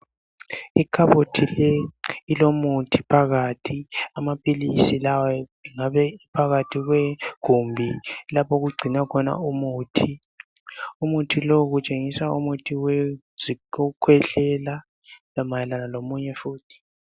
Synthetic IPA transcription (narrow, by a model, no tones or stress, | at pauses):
ikʰaβotʰilɛilomutʰipʰaɣaːtʰiamapʼilisilawaiŋaβɛipʰaɣatʰiɣwɛɡ̥ʱumbʱilapʰoɣuɡ͡ǀʱinakʰɔna̰umuːtʰi | umutʰiloɣut͡ʃʼeŋisaumutʰiwɛ | ziukʰwɛɬɛla | lamajɛlanalomuɲɛfuːtʰi̥